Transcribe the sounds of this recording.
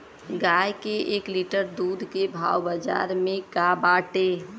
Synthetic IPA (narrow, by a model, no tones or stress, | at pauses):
ɡajkeʔeːkliʈəɾd̪uːd̪ʱkebʱa̰wbəd͡ʒa̰ːɾmẽkabaːʈe